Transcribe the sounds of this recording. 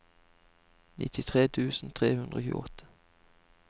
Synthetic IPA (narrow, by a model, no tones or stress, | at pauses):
nʔɪ̰t̪ʰɪt̪ʰʁeːt̪ʰʉːsn̩t̪ʰʁeːhʉnd̪ʁoːçʉ̰ɔt̪ʰə̥